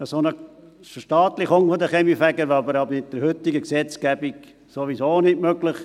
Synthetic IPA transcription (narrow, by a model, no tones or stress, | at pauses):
əsonə | fəʃtɑːt̪lɪχʊŋfod̪əχɛmifæɡəɾʋɑbəɾɑbəɪt̚d̪̥əɾhʏt̪ːɪɡəksɛt͡skæbik | soʋisoːnɪtmøɡlɪχ